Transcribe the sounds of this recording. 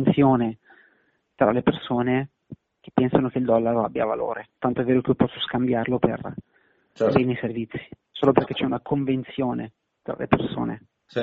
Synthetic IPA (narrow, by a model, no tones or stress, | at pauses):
nt̪sjoːne | t̪ɾalepersoːne | k̟epːɛnsanok̟eild̪ɔlːaɾoa̰bːja̰va̰lo̰ːɾet̪ant̪oɛveːɾokeiopɔsːoskambjarlopḛr | bɛːniservit̪sːi̥ | soːloperk̟ːet͡ʃːɛunakʰoɱvent̪sjoːne | t̪ɾa̰lḛperso̰ːnḛ